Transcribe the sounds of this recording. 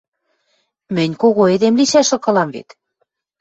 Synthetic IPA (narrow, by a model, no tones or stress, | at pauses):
mɘ̆nʲkoɣoed̪emliʃæʃɤ̆kɤ̆lɑmvḛt̪